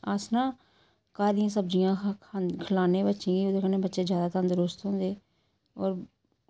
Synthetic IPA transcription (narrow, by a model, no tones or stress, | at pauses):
aːsnãː | kaːd̪ɪjãːsəbd͡ʒɪjãːkʰəlaːnẽːbətːʃĩːiːʊd̪eːkəneːbətːʃeːd͡ʒjaːd̪aːt̪ə̃nd̪ɾʊst̪ɦõːnd̪eː | ɔːɾ